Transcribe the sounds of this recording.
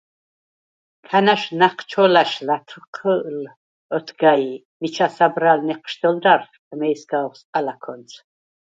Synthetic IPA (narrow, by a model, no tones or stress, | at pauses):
kʰanaʃnaqʰt͡ʃʰɔlaʃlat̪ʰqʰəʔl | ɔt̪ʰɡai | mit͡ʃʰasabɾalnɛqʰʃd̪ɔld̪arf | mɛjsɡaɔχsʼqʼalakʰɔnt͡sʰ